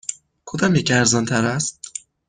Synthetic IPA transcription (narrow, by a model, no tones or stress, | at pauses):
kʰod̪ɒmjecæɾzɒnt̪ʰæɾæst̪̚